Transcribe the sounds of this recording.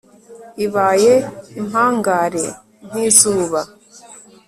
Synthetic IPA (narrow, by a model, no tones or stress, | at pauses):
iβaːjeimhaːŋɡaːɾe̞̰ | n̥hiːzuːβa